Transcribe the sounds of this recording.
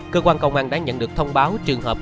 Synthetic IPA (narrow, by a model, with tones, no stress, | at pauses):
kəː˧kwaː˧nkə̰˧˨wŋ͡mʔaː˧˩nɗa̰ː˧˥ɲə̰˧˨nɗɨ˨˩ək̚t̪ʰə˧wŋ͡mɓaː˨˦wt͡ɕɨ˨˩əŋɦəː˨˩p̚